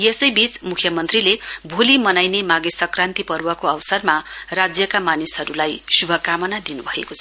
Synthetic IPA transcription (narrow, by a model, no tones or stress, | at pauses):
jesʌjbit͡smukʰjʌmʌnt̪rilebʱolimʌnajnemaɡesʌkrant̪ipʌɾwʌkoʌwʌsʌrmarad͡zjʌkamanisɦʌɾulajsubʱʌkamʌnad̪inubʱʌḛkot͡sʰʌ̥